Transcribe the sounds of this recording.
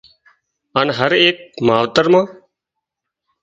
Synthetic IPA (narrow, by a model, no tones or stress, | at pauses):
aːnɦəɾeːk̚maːʋt̪əɾmãː